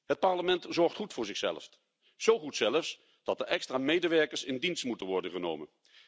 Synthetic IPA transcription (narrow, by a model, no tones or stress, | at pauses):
ɦət̚pɑɹləmɛntzɔɹχtχutfʊːɹzɪχsɛ̰ləf | z̥owχutsɛləfs | d̥ɑt̚dəʔɛkstraːmejdəʋɛɹkəɹsɪndinstmutənʋɔɹdəχəno̰wmə̰n